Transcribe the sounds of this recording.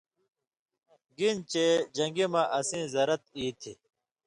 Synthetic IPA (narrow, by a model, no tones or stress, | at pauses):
ɡint͡ɕed͡ʑɐ̃ŋɡimãʔɐsĩːzɐɾɐt̪̚iːt̪ʰi